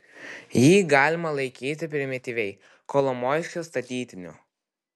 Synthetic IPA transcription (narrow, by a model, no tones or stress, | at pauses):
jiːɡɑːlʲɪmɐlˠɐɪkʲiːt̪ʲɪp̬ʲɾʲɪmʲɪt̪ʲiːʋʲɛɪ | koːlˠɔmoːɪʃʲkʲost̪ɐt̪ʲiːt̪ʲɪnʲʊ̰